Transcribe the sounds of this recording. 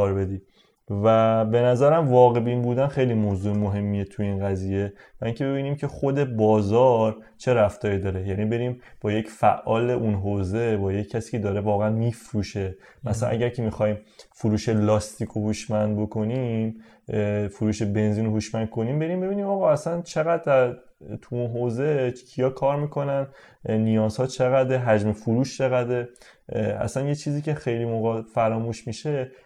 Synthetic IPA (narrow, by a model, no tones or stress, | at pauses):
ɒːɾbe̞d̪iː | væbe̞næzæɾæmvɒːɣe̞biːnbuːd̪ænxe̞jlimoːzuemoɦe̞mːijet̪ʰujeinɣæziːje̞ | væʔiŋcʰe̞be̞biːniːmcʰe̞χod̪e̞bɒːzɒːɾt͡ʃʰe̞ɾæft̪ɒːɾid̪ɒːɾe̞jæniːbe̞ɾiːmbɒːje̞cfæ̰ʔːɒːle̞ʔunɦoːze̞bɒːjecʰːæsi̥ːcʰe̞d̪ɒːɾe̞vɒːɣæænmiːfɾuːʃe̞ | mæsææ̰nʔæ̰ɡæɾcʰe̞mixɒːjiːmfuɾuːʃe̞lɒːst̪ʰiːkʰohuʃmænd̪̚bo̞kʰo̞nim | fuɾuːʃe̞be̞nziːnohuʃmænd̪̥̚kʰo̞niːmbe̞ɾimbe̞biːniːmɒːɣɒæsænt͡ʃʰe̞ɣæd̪̚d̪æɾ | t̪ʰuunɦoze̞tʰi̥cʰijɒːkʰɒːɾmiːkʰo̞næn | nijɒːz̥hɒːt͡ʃʰe̞ɣæd̪eɦæd͡ʒmefuɾuːʃt͡ʃʰe̞ɣæd̪e | æ̰sænjet͡ʃʰiːziːcʰe̞xe̞jlimoɣɒfæɾɒːmuːʃmiʃe